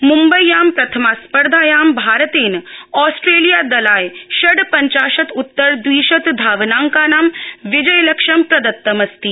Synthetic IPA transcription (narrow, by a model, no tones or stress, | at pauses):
mumbɐjːaːmpɾɐt̪ʰɐmaːspɐɾd̪ʱaːjaːmbʱaːɾət̪eːnɔːsʈɾeːlijaːd̪ɐlaːjʃɐɖpɐɲt͡ʃaːʃɐt̪ʊt̪ːɐɾd̪ʋiːʃɐt̪d̪ʱaːʋnaːŋkaːnaːmʋɪd͡ʒɐjlɐkʂɐmpɾɐd̪ɐt̪ːɐmɐst̪i